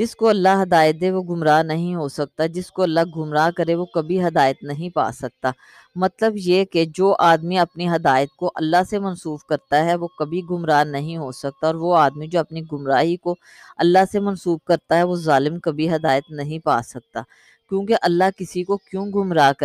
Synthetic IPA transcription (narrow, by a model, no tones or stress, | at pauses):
d͡ʒɪskoɐlːaɦɐd̪aːɪət̪̚d̪ẽʋoɡʊmɾaːnɐɦĩɦosɐk̚t̪ad͡ʒɪskoɐlːaɡʱʊmɾaːkɐɾẽʋokɐbʱiɦɐd̪aːɪt̪nɐɦĩpa̰ːsɐk̚t̪aː | mɐt̪ləbjeked͡ʒoːʔaːd̪miɐpniɦɐd̪aːɪət̪̚koʔɐlːasemɐnsuːbkɐɾt̪aɦɛʋokɐbʱiɡʊmɾaːnɐɦĩɦosɐk̚t̪aɔːɾʋoaːd̪mĩd͡ʒoːɐpniɡʊmɾaːɦiko | ɐlːaɦsemɐnsuːb̚kɐɾt̪aɦɛʋozaːlɪmkɐbʱiɦɐd̪aːɪət̪nɐɦĩpa̰ːsɐk̚t̪a̰ː | kjõːkeʔɐlːaɦkɪsikokjũːɡʱʊmɾaːk